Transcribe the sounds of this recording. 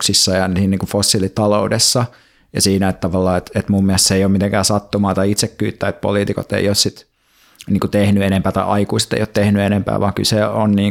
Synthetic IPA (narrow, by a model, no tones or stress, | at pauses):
ksisːɑjɑniːnniːŋkufosːilit̪ɑloudesːɑ | jɑ̰siːnæet̪t̪ɑʋɑlːɑːet̪et̪mummiæst̪seˑijoːmit̪eŋkæːsɑt̪ːumɑːt̪ɑiit̪sekːyːt̪ːæːet̪̚po̰liːt̪iko̰t̪ːḛiossit̪ | niːŋkut̪ehnyenempæːt̪ɑiʔɑikuːset̪ḛijot̪t̪ehnyenempæ̰ːʋɑ̰ːŋky̰lseonniː